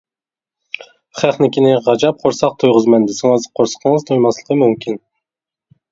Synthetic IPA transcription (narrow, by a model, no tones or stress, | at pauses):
χæχnɪkʲinɪʁɑd͡ʒɑp̚qʰoɾsɑq̚t̪ʰojʁɨzmɛnd̪ɪsɪŋɨzqʰoɾsə̥qʰəŋəzt̪ʰojmɑslˠəqʰəmymkʲʰin